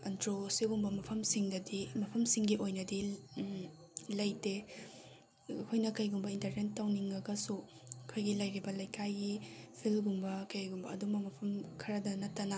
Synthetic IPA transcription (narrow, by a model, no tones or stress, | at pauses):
ɐntɾosiɡumbɐmɐpʰɐmsiŋdɐdimɐpʰɐmsiŋɡiʔojnɐdi | lɐjte | kʰojnɐkɐjɡumbɐintɐɾnentːɐwniŋɡɐɡɐsu | kʰojɡilɐjɾibɐlɐjkʰajɡipʰilɡumbɐkɐjɡumbɐɐdumɐmɐpʰɐmkʰɐɾɐdɐnɐtːɐnɐ